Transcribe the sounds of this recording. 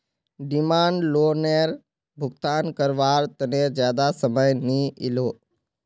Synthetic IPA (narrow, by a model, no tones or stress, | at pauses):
ɖɪmaːɳɖloːneːɾ | bʱʊɡt̪aːnkəɾʋaːɾt̪əneːzjaːd̪asəməjniɪ̰loː